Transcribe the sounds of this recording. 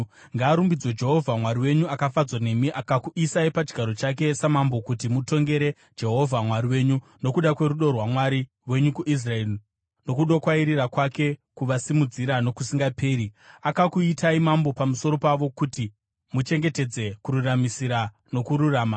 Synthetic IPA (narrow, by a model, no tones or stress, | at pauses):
ŋɡaːɾumbid͡zwod͡ʒe̞ɦo̞vʱamwaɾiwe̞ɲuakafad͡zwane̞miʔakakuʔisaipad͡ʒɡʱaɾo̞t͡ʃak̬e̞samambo̞kutimuto̞ŋɡe̞ɾe̞̥ | d͡ʒe̞ɦo̞vʱamwaɾiwe̞ɲu | no̞kuɗakwe̞ɾuɗo̞rwamwaɾi | we̞ɲukuʔis̬raeri | no̞kuɗo̞kwaiɾirakwake̞kuʋasimud͡ziɾano̞kusiŋɡape̞ːɾiakakuitaimambo̞pamuso̞ɾo̞paʋo̞kuti | mut͡ʃe̞ŋɡe̞te̞d͡ze̞kuɾuramisiɾa | no̞kuɾuraːma